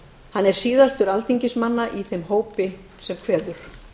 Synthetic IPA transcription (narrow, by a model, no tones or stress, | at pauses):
hanːɛɾ̥siːðast̪ʏɾalt̪iɲcɪsmanːaʔiθejmɦoːwpɪ | sɛmkʰvɛːðʏɾ̥